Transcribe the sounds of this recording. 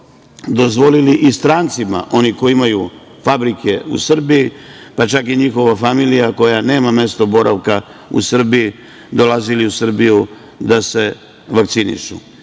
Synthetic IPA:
d̪o̞zʋo̞liliʔist̪ɾaːnt̪sima̰ʔo̞niko̞jiimaju | fabɾike̞ṵsr̩bijipat͡ʃakiɲixo̞ʋafamilijako̞jane̞ːmame̞st̪o̞bo̞ɾʔa̰ʋkaṵsr̩bii | d̪o̞laziliusr̩biju | d̪ase̞ | ʋakt̪sinḭʃṵ

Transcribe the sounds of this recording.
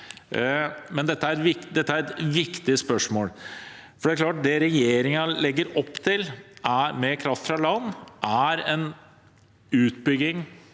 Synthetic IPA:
mɛnd̪ɛt̪ːəæɾɾʋɪd̪ɛt̪ːəæɾɛt̪ʋɪkt̪ɪəspœʂmoːlfɔɖɛæɾklɑːʈ̚d̪ɛɾɛjeːɾɪŋɑlɛɡːəɾɔpːt̪ʰɪlæmeːɾkʰɾɑft̪fɾɑlɑnːʔæɾɛn | ʉːt̪bʏɡɪŋ

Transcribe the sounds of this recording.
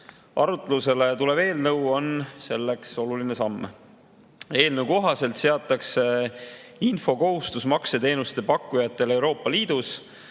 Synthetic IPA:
ʔɑɾut̪ːˑeluse̞le̞t̪ule̞be̞ːlnɤwo̞nse̞lːe̞kso̞luline̞sɑmː | e̞ːlnəwko̞ɦɑse̞lt̪se̞ɑt̪ːˑɑkse̞ | info̞ko̞ɦust̪usmɑkse̞t̪e̞ːnust̪e̞pɑkˑːujɑt̪ːˑe̞le̞wɾo̞ːpˑːɑliːd̪̥us

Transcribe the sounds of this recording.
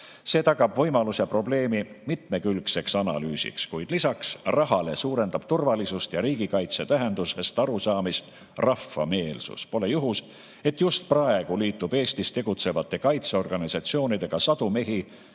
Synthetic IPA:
se̞ːt̪ɑɡɑbvɤ̞jmɑluse̞pro̞ble̞ːmimit̪me̞kylkse̞ksɑnɑ̰lyːsḭkskujd̪̥lisɑksrɑɦɑle̞suːɾe̞nd̪ɑb̥t̪urvɑlisust̪jɑɾiːɡ̥ikɑjt̪se̞t̪æɦe̞nd̪̥use̞st̪ɑɾusɑːmist̪ | rɑfːɑ̰me̞ːlsṵspo̞le̞juɦus | e̞t̪just̪̚prɑe̞ɡ̥uliːt̪ːˑub̥e̞ːst̪ist̪e̞ɡ̥ut̪se̞vɑt̪ːˑe̞kɑjt̪seo̞rɡ̥ɑnisɑt̪sio̞ːnid̪e̞ɡ̥ɑsɑd̪̥ume̞ɦi

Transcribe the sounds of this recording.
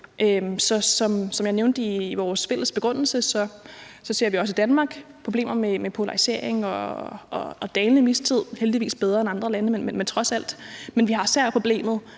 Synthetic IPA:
ʔømsɒ̽sɒ̽msɒ̽mjɑ̈ɪneʊnd̥əiʋɒːsfel̰əsb̥e̝ɡ̥ʁɔ̽n̰l̩səsɒ̽sɒ̽se̝ɐ̰ʋiɒ̽s̬id̥ænmɑ̈ːɡ̥pʰʁ̥o̝b̥e̝̰ːmɐmemepʰo̝lɑ̈ʁise̝ɐ̰e̝ŋɒ̽ɒ̽ːd̥ɛːnlnəmist͡sʰið̞̰ˠheld̥iʋḭːsb̥eð̞ˠʁɐenɑ̈nd̥ʁɐlænəmenmenment͡sʰʁɒ̽sæl̰d̥menʋihɑ̈sæɐ̰pʰʁo̝b̥le̝̰ːmð̩ˠ

